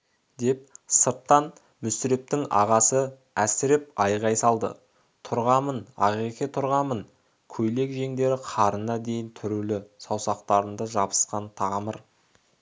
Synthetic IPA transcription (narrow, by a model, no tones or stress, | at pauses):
d̪e̞p̚səɾt̪ːɑn | mʏsɪɾe̞p̚t̪ɪŋʔɑ̰ʁɑsə | æsɪɾɪp̚ɑjʁɑjsɑlˠd̪ə̰ | t̪ʰʊɾʁɑmənɑ̰ʁiqʲet̪ʰʊɾʁɑmən | kʲʰɵjle̞kʒe̞ŋd̪e̞ɾɪqʰɑɾənɑd̪e̞jɪnt̪ʰʏɾulɪsɑwsɑqt̪ɑɾənd̪ɑʒɑbə̥sqɑnt̪ʰɑʁməɾ